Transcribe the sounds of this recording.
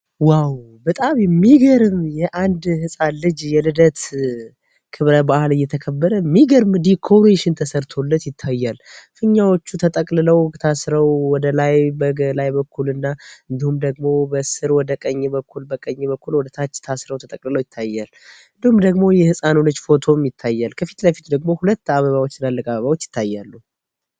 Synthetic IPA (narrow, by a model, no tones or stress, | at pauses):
waw | bət̪ʼamjɛmːiɡəɾɨmjɛʔand̪hɨsʼanlɨd͡ʒjɛlɨd̪ət̪ | kʰɨβɾəbahɨlɨjːɛt̪ʰəkʰəbːəɾəmːiɡəɾmɨd̪ikʰo̞ɾeʃɪnt̪ʰəsəɾt̪ʰo̞lːət̪jɪt̪ʰːajːalfɨɲːawo̞t͡ʃːut̪ʰət̪ʼəkʼlɨləwt̪ʰasɾəwwɔd̪əlajbəɡəlajbəkʰːulɨnːaɨnd̪ihumd̪əɡmo̞bəsɨɾwɔd̪əkʼəɲːɛbəkʰːulbəkʼəɲːɛβəkːulwɔd̪ət̪ʰat͡ʃːt̪ʰasɾəwt̪ʰət̪ʼəkʼlɨləwjɪt̪ʰːajːal | ɨnd̪ihumd̪əɡmo̞jɛhɨsʼanonət͡ʃːfo̞t̪ʰo̞mjɪt̪ʰːajːalkʰəfi̥t̪lajfi̥t̪d̪əɡmo̞hulət̪ːaβəβawot͡ʃːsɨnalːəkʼaβəβawo̞t͡ʃːjɪt̪ːajːalːu